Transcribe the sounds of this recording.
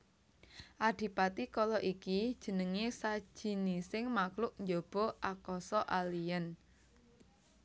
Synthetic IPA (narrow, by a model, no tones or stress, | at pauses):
ʔaɖ̪̥i̤pat̪ikɔlɔʔikid̥ʒ̥ə̤nəŋesḁʒ̥i̤nisɪŋmaklʊʔ̚ɲd͡ʒob̥ɔʔakɔsɔʔalijən